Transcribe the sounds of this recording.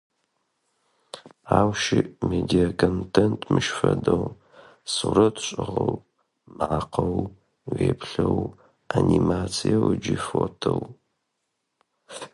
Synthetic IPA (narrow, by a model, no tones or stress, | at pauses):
aːwʃɪmedijakʰontʰentʰmɨʃfɐdɐw | suɾɐtʰɕʼɪʁɐw | mʕaqʰɐw | weːpʰɬɐw | animaːt͡sʰijɐwɨd͡ʒifotʰɐw